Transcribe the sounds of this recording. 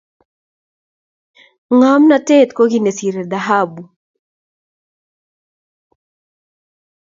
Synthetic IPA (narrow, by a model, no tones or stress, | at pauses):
ŋamnatet̪koɡinesiɾɛd̪aɦabu